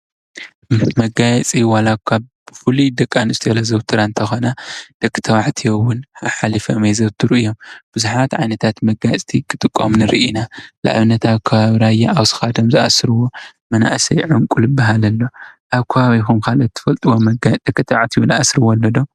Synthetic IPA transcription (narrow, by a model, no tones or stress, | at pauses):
mɐɡajɛt͡sʼiwalakʰa | bɨfulud̪ɐkʼːanɨst̪ʰelɐzɐβt̪ʰɨɾant̪ʰɐxonad̪̥ɐkʼːɨ̥t̪ʰɐβaʕt̪ʰijowʊnaħalifɐmezɐβt̪ʰɨɾɨʔɨjo̞mb̥ɨzuħat̪ʕajnɐt̪ʰat̪mɐɡajɛt͡sʼt̪ʰikʰɨt̪ʼɨkʼːomnɨɾiʔinala̰ʔβɨnːɐt̪ʰaβkʰɐβaβɾajaʔawsɨ̥xad̪omzɨʔa̰sɾwomɐna̰ʔsɐjʕʊŋkʼulɨbːaɦalɐlːo̞ʔaβkʰɐβaβikumkʰalɐt̪ʰːɨ̥fɐlt̪ʼɨwomɡd̪̥ɐkʼːɨt̪ʰɐwaʕt̪ʰiwunʔa̰sɾɨwɔlːɐd̪o̞m